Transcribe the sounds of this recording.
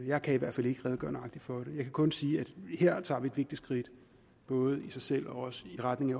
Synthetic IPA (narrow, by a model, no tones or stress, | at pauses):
jɑ̈ɪkʰæiʋæɐ̰d̥fæl̰e̝ɡ̥əʁɛːðˠɡ̥ɶɐnəɑ̈ɡ̥̚d̥id̥fɒ̽ɾ̥e̝jɑ̈ɪkʰækʰɔ̽nsiːæd̥he̝ɐ̰t͡sʰɑ̰̈ːʋie̝d̥ʋe̝ɡ̥̚d̥id̥sɡ̥ʁid̥ | b̥ɔ̽ːð̞̩ˠisɑ̈ɪsel̰ɒ̽ɒ̽səiʁad̥ne̝ŋæ